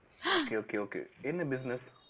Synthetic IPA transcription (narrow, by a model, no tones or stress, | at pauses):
okeokeokḛɪ̃nəbɪznəs